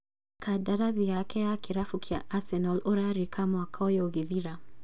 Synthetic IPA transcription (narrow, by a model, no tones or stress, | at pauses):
kʰadaɾavjakɛjakiɾafukʰia̰ʔasɛnɔlɔɾaɾikʰamaakʰaɔjɔɣeðiɾa